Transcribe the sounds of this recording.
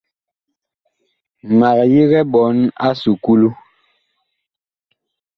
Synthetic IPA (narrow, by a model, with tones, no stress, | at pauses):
ma˨kji˦ɣɛ˦ɓɔ˨˦na̰˦su˨ku˦lu˦